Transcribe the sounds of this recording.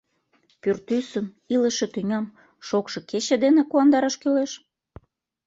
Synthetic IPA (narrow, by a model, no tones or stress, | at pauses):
pyrt̪ysən | iləʃĕt̪yŋʲɑm | ʃokʃɤ̆ket͡ɕĕd̪enekuɑnd̪ɑɾɑʃkøleʃ